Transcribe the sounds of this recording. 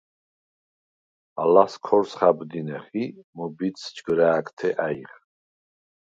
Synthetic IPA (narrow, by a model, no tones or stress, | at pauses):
alaskʰɔɾsχabd̪inɛχimɔbit̪sd͡ʒɡɾaːkʰt̪ʰɛʔaiʁ